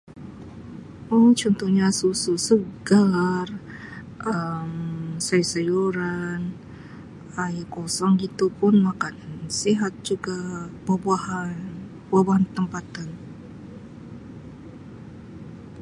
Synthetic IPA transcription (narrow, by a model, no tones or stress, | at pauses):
ʔɔht͡ʃɔnt̪ɔhɲasususəɡar | ʔəmsajsajuɾan | ajkɔsɔŋɡit̪upʊnmakansiɦat̪̚d͡ʒuɡababuahan | buabaɦant̪əmpat̪an